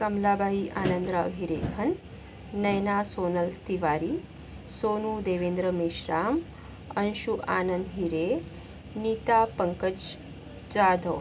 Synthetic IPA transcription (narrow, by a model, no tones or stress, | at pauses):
kɐmlaːbʱaːiʔaːnənd̪ɾaʋɦiɾeːkʰɐnː | ɐjnasoːnəlt̪iʋaːɾiː | soːnuːd̪eːʋeːnd̪ɾəmiʃɾaːm | ɐnʃuʔaːnənd̪ɦiɾe | niːt̪aːpəŋkəd͡ʑ | t͡ʃaːɾd̪ʱəw